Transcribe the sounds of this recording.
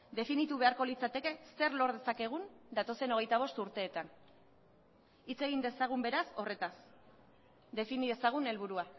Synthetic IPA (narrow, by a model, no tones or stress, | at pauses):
d̪e̞finit̪uβe̞aɾko̞lit͡sat̪e̞ke̞se̞ɾlo̞ɾðe̞sake̞ɣ̞und̪at̪o̞se̞no̞ɣ̞e̞jt̪aβ̞o̞st̪uɾt̪e̞ːt̪an | it͡se̞ɣ̞ind̪e̞saɣ̞umbe̞ɾaso̞re̞t̪as | d̪e̞finiðe̞saɣ̞une̞lβ̞uɾua